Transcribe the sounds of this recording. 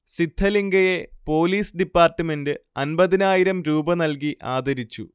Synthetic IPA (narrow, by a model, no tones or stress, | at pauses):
sit̪ʰːɐliŋɡɐje̞po̞ːliːsɖipːaːrʈːɨme̞ndɨɐnbɐðinaːjiɾɐmɾuːbɐnɐlk̬iʔaːd̪ʱɐɾit͡ɕːṵ